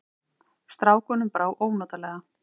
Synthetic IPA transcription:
st̪ɾaːwkɔːnʏmpɾaːwʔoːwnɔːt̪alɛːɣa

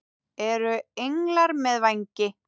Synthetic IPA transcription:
ɛɾʏejŋlaɾmɛðvajɲcɪ

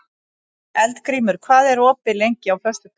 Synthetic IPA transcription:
ɛlt̪kɾiːmʏɾ̥kʰvaːðɛɾɔːpɪlejɲcɪawfœst̪ʏ

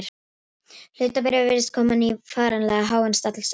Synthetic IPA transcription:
ɾ̥ | l̥ʏːt̪apɪɾɪvvɪɾɪst̪kʰɔːmanifaːɾanlɛːɣaɦaːwɛnst̪at̪ls

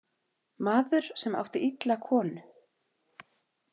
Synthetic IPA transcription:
maːðʏɾ̥sɛma̰wht̪ɪʔit̪lakʰɔːnʏ

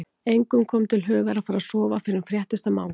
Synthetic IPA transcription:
ejŋkʏmkʰɔːmt̪ʰɪlɦœːɣaɾafaːɾaðsɔːvafɪɾɪɪfɾjɛht̪ɪst̪ama̰ːw

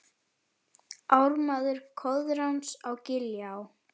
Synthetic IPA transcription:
awɾmaːðʏɾ̥kʰɔðɾawnsawcɪljaw

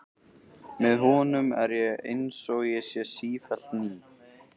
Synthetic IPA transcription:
mɛðɦɔːnʏmɛɾjɛɣḛjnsɔɣjɛsjɛsiːfalt̪niː

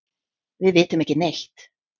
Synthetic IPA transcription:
vɪðveːt̪ʏmɛhcɪmeht̪

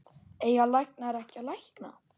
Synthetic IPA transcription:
eːjɣalajknaɾɛhcalajhkna̰

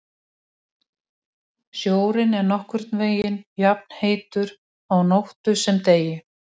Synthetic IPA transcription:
sjoːwɾɪnɛɾnɔhkvʏɾ̥t̪nveːjɪnjap̚n̥heːjt̪ʏɾ | awnowht̪ʏsɛmt̪eːjɪ

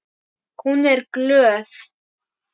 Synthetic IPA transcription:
hunɛɾɡløːθ

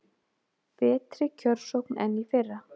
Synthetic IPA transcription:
pɛːt̪ɾɪcʰœɾsowknɛnːifɪrːa

